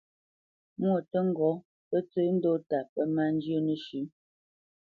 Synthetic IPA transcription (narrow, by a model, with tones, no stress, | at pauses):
mwo˨tə˦ŋ̩˦ɡɔ˨˦ | pə˦t͡sə˦n̩˦do˦ta˨pə˦ma˦˨n˦d͡ʒjə˦˨nə˦ʃʉ˨˦